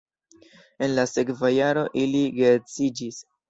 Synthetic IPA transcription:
e̞nlase̞kvajaɾo̞ʔiliɡeɾt͡sid͡ʒis

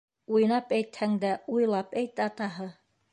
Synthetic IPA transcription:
uj̆nɑpæjt̪hæŋd̪æujlˠɑpæjt̪ɘɑt̪ɑɦɤ

